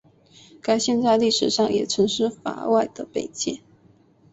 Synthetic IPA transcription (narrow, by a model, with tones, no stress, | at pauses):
ka˥˩ɪɕjɛ˥˧nt͡sa˥˧ɪli˥˩ʂɻ̩˨˩ʂɑ˥˩ŋjɛ̰˨˩ʈ͡ʂʰɤ˧˥ŋʂɻ̩˥˩fa̰˧˥wa˥˩ɪd̪̥ə˨pe˨˩ɪt͡ɕjɛ˥˩